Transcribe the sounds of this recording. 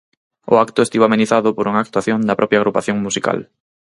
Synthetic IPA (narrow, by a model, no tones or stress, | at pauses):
ʊ̰akt̪ʊest̪iβamẽniθaðʊpoɾuŋaːk̚t̪waθjond̪ɐpɾɔpjaɣɾupaθjõŋmusika̰l